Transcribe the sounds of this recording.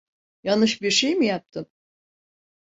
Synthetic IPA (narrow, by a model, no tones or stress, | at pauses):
janɯʃbiɾʃejmijap̚t̪ʰɯm